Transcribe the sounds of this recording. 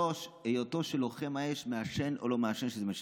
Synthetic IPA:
oʃejoto̞ʃelo̞χe̞maeʃmeaʃeno̰lo̞meaʃenʃezemeʃ

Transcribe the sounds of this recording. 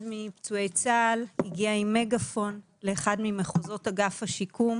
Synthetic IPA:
dmipt͡sue̞jt͡saːlhiɡiaimːe̞ɡafo̞n | leːχadmimeχozo̞taɡafhaʃikʰum

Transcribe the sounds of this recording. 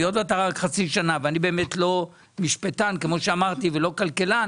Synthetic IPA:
ijot̪bat̪aʁakχat͡siʃanaveanibe̞ːme̞tlo̞ | miʃpetankemo̞ʃeamaʁt̪ivelo̞kalkelan

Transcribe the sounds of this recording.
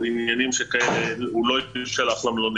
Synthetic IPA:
injanimʃekaeleuloifʃalaχlamloni

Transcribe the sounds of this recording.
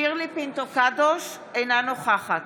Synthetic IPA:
iʁlipint̪okad̪oʃ | ejnanoχaχat̪

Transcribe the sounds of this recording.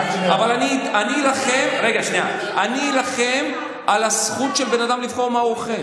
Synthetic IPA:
avalanianilaχemʁe̞ɡaʃnia̰ | ʔaniːlaχe̞m | ʔalasχut̪ʃelbe̞nad̪amlifχo̞ʁmauaχel

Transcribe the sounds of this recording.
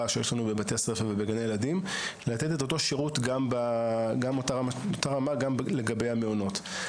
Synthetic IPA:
aʃejeʃlanube̞bat̪easʁefavebeɡanejeladimlat̪etet̪o̞to̞ʃeʁut̪ɡambaɡamotaʁamaot̪aʁamaɡamle̞ɡabe̞jameono̞t

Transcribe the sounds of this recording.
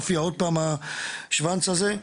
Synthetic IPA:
fiaod̪̚paːmaʃvant͡saze

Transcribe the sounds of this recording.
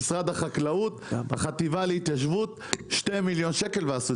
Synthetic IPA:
sʁad̪aχaklaut̪baχat̪ivalehit̪jaʃvut̪ | ʃtejmiljo̞nʃeke̞lveasu

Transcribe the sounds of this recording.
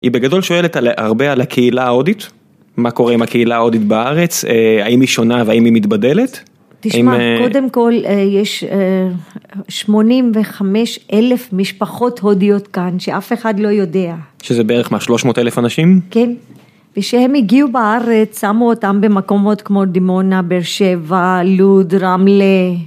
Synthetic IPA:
ibeɡado̞lʃo̞eletalʔa̰ʁbealakʰeilaodit | mako̞ʁeimakeilaaodit̪baaʁet͡seaimiʃo̞naveaimimit̪bade̞let | t̪iaʃimakode̞mko̞lejeʃe | ʃmo̞nimveχameʃʔelefmiʃpaχo̞tho̞dijo̞t̪kanʃeʔafe̞χadlo̞jo̞deaʃezebeeʁeχmaʃlo̞ʃmo̞ːt̪elefanaʃimken | veʃehemiɡiubaaʁet͡ssamuotambemako̞mo̞t̪kmo̞d̪imonabeɾʃevaludɾamle

